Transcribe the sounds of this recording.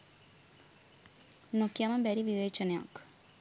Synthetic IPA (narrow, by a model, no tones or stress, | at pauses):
nokjamɐmbɛɾiʋiʋeːt͡ʃɐnja̰k